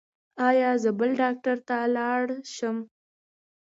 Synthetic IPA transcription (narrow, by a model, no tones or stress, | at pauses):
ɑjɑzəbəlɖɑk̚ʈaɾt̪alɑɽʃəm